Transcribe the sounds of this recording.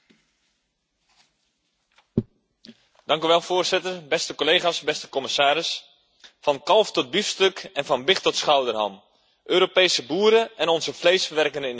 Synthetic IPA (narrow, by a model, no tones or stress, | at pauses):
dɑŋkyʋɛlˠfoːrzɪtərbɛstəkolejχaːsbɛstə̥kɔmɪsaːɾɪs | fɑnkɑlˠftɔd̚bifstøkʰɛnvɑnbɪχtɔtsχawdərɦa̰m | ʔøːɾopejsəbuːɾəɛnɔnzəflejsfəʋɛrkəndəɪn